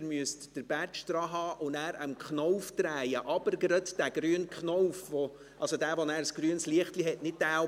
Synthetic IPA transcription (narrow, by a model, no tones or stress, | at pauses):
ɾmyəstd̥əɾb̥æt͡ʃd̥̪ɾɑːɦɑːʔʊnæːɾəmkχnɔwft̪ɾæjəʔɑbəɾɡəɾətd̥æɡ̥ɾyːənkχnɔwfʋɔ | ʔɑlsodæːvɔnæːɾsɡ̥ɾyənsliəχtliɦɛtnɪt̚d̥æː